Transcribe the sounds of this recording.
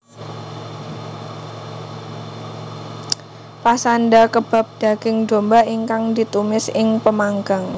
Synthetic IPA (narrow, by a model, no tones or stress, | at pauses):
pasandakəb̥a̤p̚d̥a̤ɡ̥ɪŋdombaiŋkaŋdit̪umɪsɪŋpəmaŋɡaŋ